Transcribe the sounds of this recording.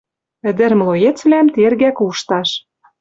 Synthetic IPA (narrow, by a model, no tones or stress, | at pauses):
ɘ̆d̪ɘ̆ɾmlˠojet͡sβlæmt̪erɣækuʃt̪ɑʃ